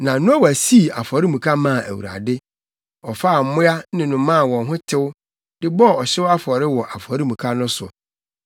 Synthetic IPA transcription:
nã˨nʊ̃˦ɔ˦wæ˨si˦˨a˨fɔ˨ɾɪ˦mũ˨kʰa˦mã˦˨æ̰˨wṵ˨ɾa̰˨dɪ˦ | ɔ˨fa˦˨m̩˨mʊ̃˦a˦nɪ̃˨nʊ̃˨mã˦˨wɔ̃˨nɦʊ̃˦tʰɪ˦wʊ˦ | dɪ˦bɔ˦˨ɔ˨ɕɪ˦wa˦fɔ˨ɾɪ˦wɔ˨ʔa˨fɔ˨ɾɪ˦mũ˨kʰa˦nʊ̃˦sʊ̰˨

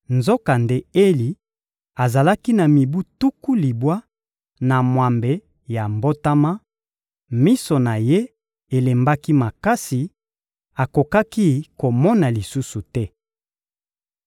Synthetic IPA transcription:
nzo˦ka˨nde˦e˦li˨ | a˨za˨la˦ki˦na˨mi˨bu˦tu˦ku˦li˨bwa˦ | na˨mwa˨mbe˨ | ja˨mbo˦ta˦ma˦ | mi˦so˨na˨je˦ | e˨le˨mba˦ki˦ma˨ka˦si˨ | a˨ko˨ka˦ki˦ko˨mɔ˦na˨li˨su˦su˨tɛ˦

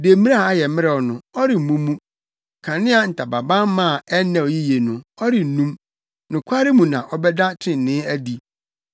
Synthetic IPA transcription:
de˨˦mĩ˦a˦a˦jɛ˨mɪ˦ɛ˨ɔ˨nʊ̃˨ɔ˦ɾɪ˨m̩˨mũ˦mũ˦˨ | kʰã˨nɪ̃˦a˨n̩˨tʰa˨ba˨bã˦m˦mã˦˨ɛ˦nɛ̃˨wji˦je˨nʊ̃˨ɔ˦ɾɪ˨n̩˨nũ˦m | nʊ̃˨kʷʰa˦ɾɪ˦mũ˨nã̰˨ʔɔ˦bɛ˦da˦tʰɪ̃˦˨n̩˨nɪ̃˦æ˦di˨

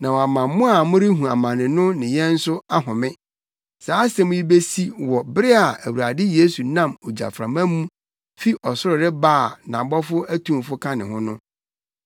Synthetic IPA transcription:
nã˨wɔ˨a˨mã˨˦mʊ̃˦a˨mʊ̃˦ɾɪ˦ɦũ˨a˨mã˨nɪ̃˨nʊ̃˦nɪ̃˨jɛ̃˦n̩˦sʊ˦a˦ɦʊ̃˨mɪ̃˦ | saː˨˦sɛ̃˦mʊ̃˦ji˦be˦si˦wɔ˨bɪ˦ɾɪ˦a˨æ˨wu˨ɾa˨dɪ˦je˦su˨nã˦˨mo˨d͡ʑa̰˨fɾã̰˨mã˦mũ˦ | fi˦ʔɔ˨sʊ˦ɾɪ˨ɾɪ˦baː˦˨nã˨bɔ˦fʊ˦æ˦tʰũ˦m˨fʊ˦kʰã˦nɪ̃˨hʊ̃˦nʊ̃˦

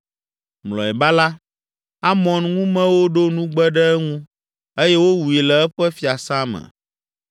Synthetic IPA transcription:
mlɔ̰˨ɛ˨ba˦la˦ | a˦mɔ̃˨nŋũ˦mɛ̃˦wo˦ɖo˦nũ˦ɡ͡bɛ˦ɖɛ˦ɛ˦ŋũ˦ | e˦jɛ˦wo˦wu˨e˨lɛ˨ɛ˦ɸɛ˦fi˦a˨sã˦mɛ̰˨

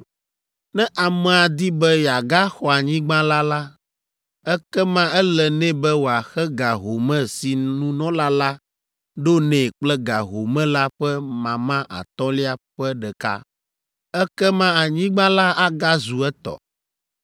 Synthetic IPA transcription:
nɛ̃˦ʔa˨mɛ̃˨a˨d̪i˦bɛ˦ja˨ɡa˦xɔ˨a˨ɲĩ˦ɡ͡bã˦la˦la˦ | ɛ˦kɛ˦mã˦ɛ˦lɛ˨nɛ̃˦bɛ˦wo˨a˨xɛ˦ɡa˨ɦo˨mɛ̃˦si˨nũ˦nɔ̃˦la˦la˦ | ɖo˦nɛ̃˨k͡plɛ˦ɡa˨ɦo˨mɛ̃˦la˦ɸɛ˦mã˨mã˦ʔa̰˨t̪ɔ̃˦li˦a˨ɸɛ˦ɖɛ˨ka̰˦ | ɛ˦kɛ˦mã˦a˨ɲĩ˦ɡ͡bã˦la˦ʔa˦ɡa˦zu˨ɛ˦t̪ɔ̰˨

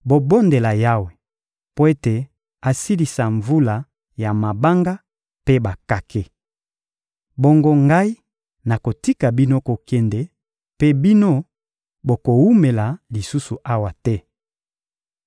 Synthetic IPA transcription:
bo˨bo˦nde˨la˨ja˦we˨ | po˦e˦te˨ | a˨si˦li˨sa˨ɱvu˦la˨ | ja˨ma˨ba˦ŋɡa˦ | pe˦ba˨ka˦kʰe˦ | bo˦ŋɡo˦ŋɡa˦i˦ | na˨ko˨ti˦ka˨bi˦no˦ko˨kɛ˦nde˨˦ | pe˦bi˦no˦ | bo˨ko˨wu˦me˨la˨li˨su˦su˨ʔa˦wa˨tɛ˦

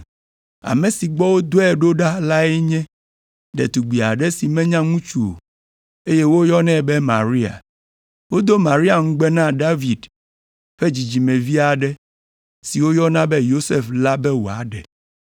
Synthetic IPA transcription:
a̰˨mẽ˨si˨ɡ͡bɔ˦wo˦d̪o˦ɛ˨ɖo˦ɖa˦la˦ɛ˦ɲɛ̃˦ | ɖɛ̰˨t̪u˨ɡ͡bi˨a˨ɖɛ˦si˨mɛ̃˦ɲã˦ŋũ˦t͡ʃu˨o̰˨ | e˦je˦wo˦jɔ˦nɛ̃˦˨bɛ˦mã̰˨ɾi˦a̰˨ | wo˦d̪o˦mã˨ɾi˦a˨ŋ̩̃˦ɡ͡bɛ˦nã˦ɖa˦vi˨d | ɸe˦d͡ʑi˨d͡ʑi˨mɛ̃˨vi˦a˨ɖɛ˦ | si˨wo˦jɔ˦nã˦bɛ˦jo˦se˦fla˦bɛ˦wo˨a̰˨ɖɛ̰˨

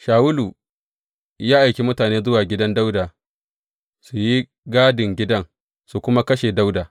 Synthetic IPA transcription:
ʃaː˨wʊ˦luː˨ | jaː˦ʔa˨jkʲe˨mʊ˦taː˨neː˦zʊ˦waː˨ɡʲɪ˦dɐ˦nda˦wda˨ | su˨ji˦ | ɡaː˦dɪ˨ŋɡʲɪ˦dɐ˦ŋ | su˨kʷʊ˦ma˦kɐ˦ʃeː˨da˦wdaː˨

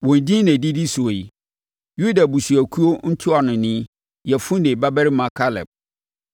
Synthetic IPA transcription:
wɔ̃˨n˨dĩ˦næ̃˨di˦di˦su˨i˨ | ju˦da˨bu˨su˨æ˨kʰu˦o˦n̩˦tʰʊ˦a˨nʊ̃˨nɪ̃˦ | jɛ˨fʊ̃˦nẽ˨ba˦bæ˦ɾɪ˦mã˨kʰa˦lɛ̰˨b̚

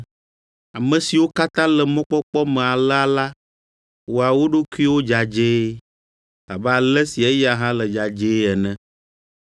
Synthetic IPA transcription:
a˨mɛ̃˨si˨wo˦ka˦t̪ã˦lɛ˨mɔ̃˦k͡pɔ˦k͡pɔ˦mɛ̃˨a˨lɛ˦a˨la˦ | wo˨a˨wo˦ɖo˦ku˦i˦wo˦d͡ʒa˨d͡ʒe˦ | la̰˨bɛ˦a˨lɛ˦si˨ɛ˦ja˨ɦã˦lɛ˨d͡ʒa˨d͡ʒe˦ɛ˨nɛ̃˦

